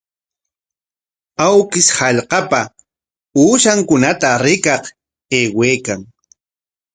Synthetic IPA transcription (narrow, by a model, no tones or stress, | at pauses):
awkɪshɑʎqɑpa | uːʃaŋkʊnat̪aɾɪkɑq | eːweːkaŋ